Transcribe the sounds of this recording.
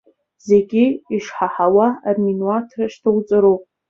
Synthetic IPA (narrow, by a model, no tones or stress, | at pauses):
zeɡʲiiʂħaħawaːrminwatʰraʃtʰɨwt͡sʼɨɾupʼ